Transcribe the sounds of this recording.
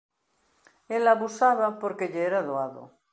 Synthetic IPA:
elaβusaβapoɾkeʎeeɾaðoaðo̰

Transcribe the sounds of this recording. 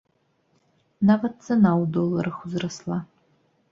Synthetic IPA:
nɐvɐt͡sɐnaːwdolɐɾɐxʷʊzrɐsla

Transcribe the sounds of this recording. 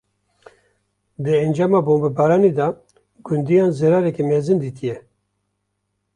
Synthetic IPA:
d̪ɨɛnd͡ʒɑːmɑːboːmbɛbɑːɾɑːned̪ɑ | ɡund̪ijɑːnzɛɾɑːɾɛkɛmɛzɨnd̪it̪ʰijɛ

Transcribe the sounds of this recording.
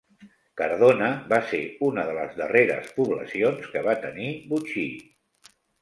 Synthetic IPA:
kəɾðonəβaseunəðələ̰zðəreɾə̰spuβlə̰sionskəβat̪ənibut͡ʃi

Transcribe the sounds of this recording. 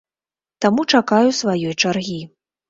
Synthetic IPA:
t̪amut͡ʂakajusvajɔjt͡ʂarɣʲi

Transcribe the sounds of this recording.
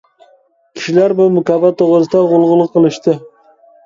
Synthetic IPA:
kʲʰi̥ʃilæɾbumʊkʲɑbɑt̪ʰːoʁɾɨsɨd̪ɑʁolˠʁʊlˠːʊqʰːəlˠɨʃt̪ɨ

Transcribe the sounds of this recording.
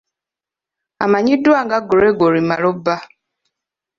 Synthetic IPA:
a̰maɲiduaŋɡaɡoɾeɡoɾimaɾoba

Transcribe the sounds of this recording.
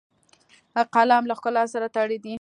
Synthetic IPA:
aqɑlamlaxkʊlasaɾat̪aɽed̪i

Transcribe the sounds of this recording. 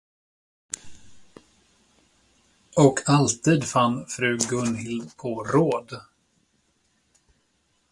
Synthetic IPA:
ɔkʰalt̪ʰiːd̪fanːfɾʉ̟ːɡɵnhɪlpʰɔɾoːd̪

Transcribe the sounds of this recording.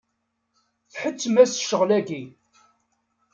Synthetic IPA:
θħət͡sːmæsʃəʁlæɡi

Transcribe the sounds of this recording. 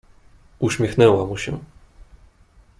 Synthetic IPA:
uɕmʲjɛxnɛwamuɕɛ

